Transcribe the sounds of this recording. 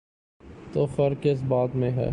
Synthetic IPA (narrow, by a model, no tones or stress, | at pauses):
t̪oːxəɾkɪs̬baːd̪mẽɦɛ̰ː